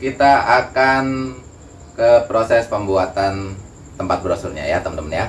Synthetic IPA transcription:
kit̪aʔakan | kəpɾosɛspəmbuat̪an | t̪əmpat̪̚bɾosurɲa̰jat̪əmənəmənja

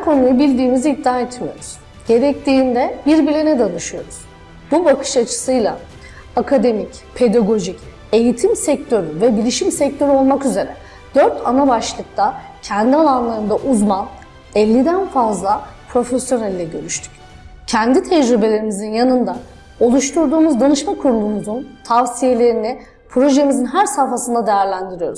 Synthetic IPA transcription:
hæɾkʰo̞nujubilʲd̪iːmiziid̪ːaːet̪mijo̞ɾuz̥ | ɟe̞ɾɛc̚t̪ʰiːnd̪ɛbiɾbilʲenɛd̪anɯʃɯjo̞ɾuz̥ | bubakʰɯ̥ʃat͡ʃʰɯ̥sɯjlˠa̰ | akʰad̪e̞mic | pʰe̞d̪aɡo̞ʒic | e̞jit̪ʰimsɛc̚t̪ʰø̞ɾyvɛbilʲiʃimsɛc̚t̪ʰø̞ɾyo̞lˠmakyze̞ɾɛ | d̪̥øɾt̪ʰanabaʃlˠɯk̚t̪ʰa | cʰɛnd̪ialˠanlˠaɾɯnd̪aʔuzman | ɛlʲːid̪ænfazlˠapʰɾo̞fesjo̞nælʲːɛɟø̞ɾyʃt̪ʰy̥c̚ | cʰɛnd̪it̪ʰɛd͡ʒɾibe̞lʲe̞ɾimizinjanɯnd̪a | o̞lˠuʃt̪ʰuɾd̪uːmuzd̪anɯʃmakʰuɾlˠuːmuzunt̪ʰavsije̞lʲe̞ɾinɪ | pʰɾo̞ʒemizinɦæɾsaɾfasɯnd̪ad̪e̞jæɾlʲænd̪iɾijo̞ɾuz̥

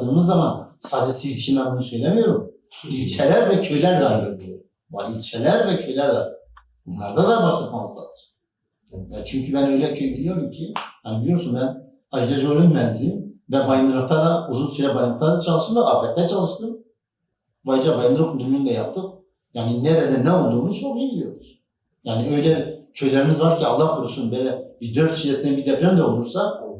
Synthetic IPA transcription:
d̪ɯːmɯzːamansaːd̪d͡ʒɛsiziʃʰimɛbunusø̞jlʲɛmijo̞ɾum | ilʲt͡ʃʰɛlʲæɾvɛcʰø̞jlʲæɾd̪ɛajɯɾɯɾbilʲijoɾum | va̰ilʲt͡ʃʰɛlʲæɾvɛcʰø̞jlʲæɾd̪ɛ | bunlˠa̰ɾd̪ad̪abaʃlˠapmamɯzlˠa̰d̪ɯ̥ɾ̥ | jaɾt͡ʃʰyɲcʰybænø̞jlʲɛcʰø̞jbilʲijo̞ɾumcʰijhanbilʲijo̞ɾsunbæn | aɾd͡ʒɛʒolʲynmɛnzinvɛbajnd̪ɯɾɯɾt̪ʰad̪auzulˠsyɾɛbajnˠɯɾt̪ʰad̪at͡ʃʰalˠɯʃt̪ɯnd̪aaːfɛt̪ːɛt͡ʃʰalˠɯʃt̪ɯm | bajd͡ʒabajnɯɾopʰund̪ymnynd̪ɛjap̚t̪ʰɯm | jaːninɛɾɛd̪ɛnɛolˠd̪uːmnut͡ʃʰoɾibilʲijo̞ɾuz̥ | jaːniø̞jlʲɛcʰø̞jlʲeɾimizvaɾcʰialˠːaxfuɾusunbøjlʲɛbid̪øɾt̪ʃizɛt̪ʰlʲɛbid̪ɛpɾɛmd̪ɛolˠuɾsa

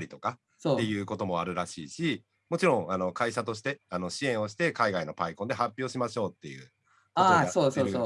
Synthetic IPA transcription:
ɾʲit̪o̞ka | soːe̞jɯ̟ːko̞t̪o̞mo̞aɾɯ̟ɾaɕḭːɕi | mo̞t͡ɕiɾõ̞ŋano̞kaiɕat̪o̞ɕ̬i̥t̪eano̞ɕiẽ̞ɰ̃o̞ɕi̥t̪e̞kaiɡaino̞paikond̪e̞ɦapʲjo̞ːɕimaɕo̞ːt̪ːe̞jɯ̟̰ː | koasoːsoːo

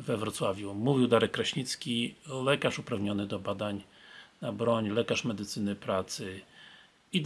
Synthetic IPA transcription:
vɛvɾɔt̪swavʲjumuvʲiwd̪aɾɛk̚ːɾaɕɲit̪skʲilɛkaʂupɾavɲɔnɘd̪ɔbad̪aɲ | nabɾɔɲlɛkaʂmɛd̪ɘt̪sɘnɘpɾat̪sɘ | i

